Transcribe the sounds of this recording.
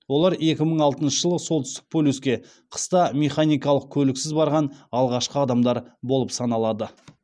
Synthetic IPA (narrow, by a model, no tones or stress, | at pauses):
wo̞lˠɑɾe̞kʲɪməɴɑlˠt̪ənʃəʒəlˠəso̞lˠt̪ʏst̪ɪ̥k̚pʰolʲuskʲe̞ | qʰə̥st̪ɑme̞χanijkɑlˠəq̚kʲʰɵlɪksɪzbɑɾʁɑnɑlˠʁɑʃqəɑd̪ɑmd̪ɑɾbo̞lˠəpsɑnɑlˠɑd̪ə